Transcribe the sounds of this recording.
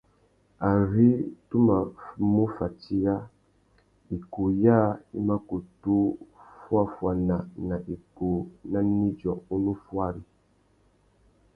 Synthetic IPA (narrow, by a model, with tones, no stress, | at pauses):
a˨ɾi˦tu˦ma˨mu˦fa˨ti˦ɾa˦ | i˨ko˨ja˦˨i˦ma˦ko˨tu˦fwa˦fwa˨na˨na˨ʔi˨ko˨na˦ni˦d͡ʒɔ˨u˦nu˦fwa˦˨ɾi˨